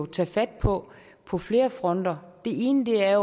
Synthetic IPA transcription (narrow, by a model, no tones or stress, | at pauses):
t͡sʰæːfæd̥̚pʰɒ̽ | pʰɒ̽fle̝ːɐfʁɒ̽n̰d̥ɐd̥e̝e̝ːnəd̥e̝æɐjo